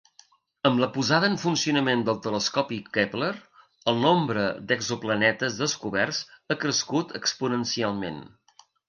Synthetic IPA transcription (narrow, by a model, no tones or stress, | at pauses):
əmləpuzaðəːɱfunsiunəmend̪əlˠt̪ələskɔpikɛpləɾ | əlˠnombɾəd̪əɡzuplənɛt̪əzðəskuβɛrsəkɾəskut̪ʰəkspunənsialˠmḛn